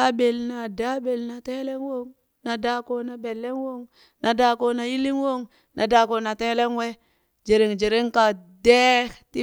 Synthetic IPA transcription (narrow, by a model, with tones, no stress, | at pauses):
a˦be˨lna˨da˦be˨lna˨te˦le˦ŋwo˦ŋ | na˨da˨˦ko˦na˨be˨lːe˦ŋwo˦ŋ | nʔa˨da˨ko˨na˨ji˦li˦ŋwo˦˨ŋ | nʔa˨da˨ko˨na˨te˦le˦ŋwe˦ | d͡ʒe˨ɾi˨ŋd͡ʒe˨ɾi˦ŋka˨de˦ti˦